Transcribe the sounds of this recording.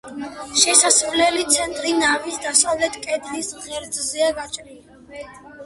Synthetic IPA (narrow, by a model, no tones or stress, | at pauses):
ʃɛsasɾlɛlit̪sʰɛnt̪ʼɾinavisd̪asavlɛt̪ʰkʼɛd̪lisʁɛɾd̪zzɛaɡat͡ʃʼnii